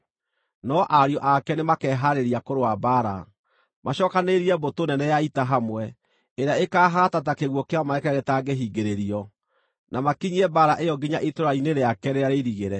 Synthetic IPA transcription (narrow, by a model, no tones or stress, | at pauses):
nɔʔaɾiɔʔakɛnemakɛːɦaɾeɾiakoɾowabaɾa̰ | maɕɔkaneɾiɛbotonɛnɛjaitaɦamwɛ | eɾeaekaːɦatatakeɣwɔkeamaɛkaɣetaɡeɦiːɡeɾeɾiɔ | namakiɲiɛbaɾaʔejɔɡiɲaʔetoɾaineɾeakɛɾeaɾeɾiɣeɾɛ